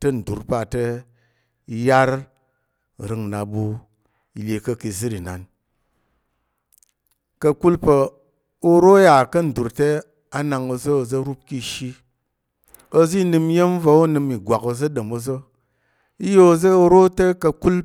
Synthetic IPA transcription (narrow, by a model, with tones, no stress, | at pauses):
tɐ˦n̩˨du˨ɾpa˨te˦ | i˧ja˦ɾ | ɾɨ˨ŋ˨na˨bu˧ | i˨lʲe˨kɐ˧ki˨zɨ˦ɾi˨na̰˨n | kɐ˧ku˦lpə˨ | o˧ɾo˦ja˨kɐ˦n̩˨du˨ɾte˦ | a˦na˨ŋo˧zo˦o˧zo˦ɾu˦p̚ki˧ʃi˦ | o˧zi˦nɨ˧m˦je˦m̩˦va˧o˦nɨ˧mi˨ɡʷa˨ko˧zə˦do˨mo˧zo˦ | i˦jo˦˧zə˦o˧ɾo˦te˦kɐ˧ku˦l